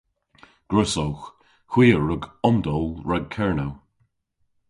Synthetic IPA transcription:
ɡ̥ɹəsɔwx | hw̥iːəɹəɡɔmd̪ɔlˠɹaɡ̚kʰɛɹnow

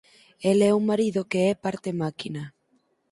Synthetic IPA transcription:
elɛuŋmaɾiðokeɛpaɾt̪emakina

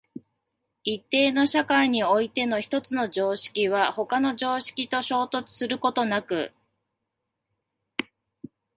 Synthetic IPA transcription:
it̪ːe̞ːno̞ɕakaiɲ̟io̞it̪e̞no̞çi̥t̪o̞t͡sɨno̞d͡ʑo̞ːɕi̥kʲiβ̞aho̞kano̞ʑo̞ːɕi̥kʲit̪o̞ɕo̞ːt̪o̞t͡sɨ̥sɨɾɯ̟ko̞t̪o̞nakɯ̟

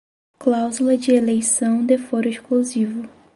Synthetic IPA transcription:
klawzulɐd͡ʒɪelejsɐ̃w̃d̪efoɾʊeʃkluzivʊ

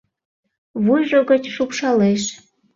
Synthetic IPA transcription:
βujʒoɣət͡ɕʃupʃɑleʃ

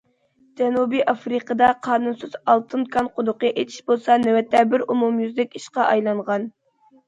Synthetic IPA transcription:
d͡ʒɛnubiʔɑfɾiqʰəd̪ɑqʰɑːnunsɨz̥ɑlˠt̪ʰɨnkʰɑnqʰʊd̪ʊqəʔet̪ʰi̥ʃbolˠsɑnɛwɛt̪ʰːɛbɪɾumumjyzd̪ɪkʲiʃqɑʔɑjlˠɑɴʁɑn

